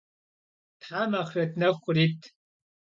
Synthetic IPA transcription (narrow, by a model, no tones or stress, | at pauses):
tħamaːχɥɐtʰnɐxʷʊriːtʰ